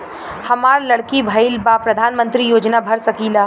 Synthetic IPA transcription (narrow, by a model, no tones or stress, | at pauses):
hɐmaːɾlɐɽkibʱɐɪlbaːpɾɐd̪ʱaːnmə̃nt̪ɾijoːd͡ʒnabʱɐɾsɐkiːlaː